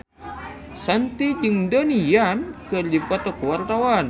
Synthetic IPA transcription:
sant̪id͡ʒɨŋdonijankɨrdipɔt̪ɔkuwart̪awan

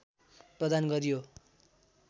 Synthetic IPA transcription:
prʌd̪anɡʌɾijo

